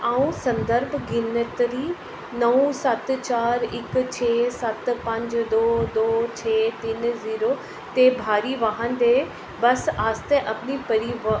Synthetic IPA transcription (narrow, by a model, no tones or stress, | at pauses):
aːũsɐ̃nd̪əɾbʱɡɪnət̪ɾi | nɐũsɐt̪t͡ɕaːɾɪkt͡ɕʰeːsɐt̪pɐ̃ɲd͡ʑd̪oːd̪oːt͡ɕʰeːt̪ɪnziːɾo | t̪ebʱaːɾiʋaɦən̆d̪eː | bɐsaːst̪eʔɐpɪnipɐɾiʋ